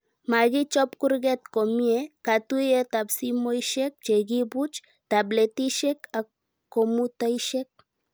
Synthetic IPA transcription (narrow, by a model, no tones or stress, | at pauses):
maɣit͡ʃɔpkuɾɡet̪komiekat̪uiet̪apsimojʃek̚t͡ʃeɡibut͡ʃ | t̪ablet̪iʃeka | komut̪ajʃek̚